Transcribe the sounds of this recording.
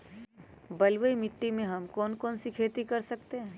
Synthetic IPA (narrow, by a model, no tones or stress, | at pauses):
bɐlwəimɪʈːimẽɦɐmkɔːnkɔːnsikʰeːt̪ikɐɾsɐkt̪eɦɛ̃ː